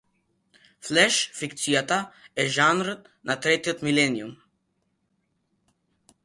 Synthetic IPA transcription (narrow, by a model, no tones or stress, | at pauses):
flɛʃfikt̪sijat̪aɛʒanɾ | nat̪ɾɛt̪iot̪milɛnium